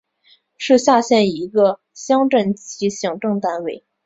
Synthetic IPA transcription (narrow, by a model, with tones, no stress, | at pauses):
ʂɻ̩˥˧ɕja˥˧ɕjɛ˥˩ni˧˥ɡə˧ | ɕjɑ˥ŋʈ͡ʂə˥˩nt͡ɕi˧˥ɕjɑ˨˩ŋʈ͡ʂɤ˥˧ŋt̪a˥˧nwe˥˩ɪ